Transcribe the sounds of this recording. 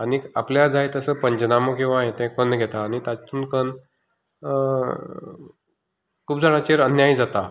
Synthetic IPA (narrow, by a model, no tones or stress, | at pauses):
aɽia̰pljad͡zajt̪əsəpəɲd͡ʑnaməkĩʋaɦẽt̪ɛ̃kənɡʱɛt̪aːɽ̃it̪at͡st̪uːnkən | kʰuːb̚d͡zaɽ̃at͡ɕeɾənjaid͡zat̪a